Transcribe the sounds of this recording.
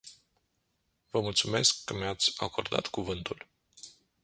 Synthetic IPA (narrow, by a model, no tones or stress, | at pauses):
vəmult̪sume̞skːəmeat̪sʲa̰ko̞̰rd̪a̰t̪kuvɨnt̪ul